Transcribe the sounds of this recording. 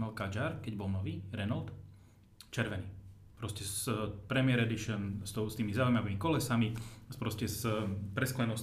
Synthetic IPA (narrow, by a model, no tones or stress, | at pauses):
nalkad͡ʒaɾkɛɟbɔlnɔʋiːɾɛnalt̪ | t͡ʃɛɾʋɛniː | pɾɔscɛspɾɛmɪɛɾɛd̪iʃənst̪ɔʊst̪iːmizaːujmaʋiːmikɔlɛsamispɾɔscɛspɾɛsklɛnɔs